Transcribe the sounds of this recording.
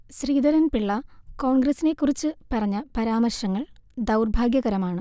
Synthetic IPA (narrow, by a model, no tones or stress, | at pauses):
ɕriːd̪ɐɾɐnpiɭːɐko̞ːɳɡrɐsine̞kːurit͡ɕːɨpɐrɐɲːɐpɐɾaːmɐrɕɐŋːɐɭd̪ɐwrbʱaːɡjɐɣɐɾɐmaːɳɨ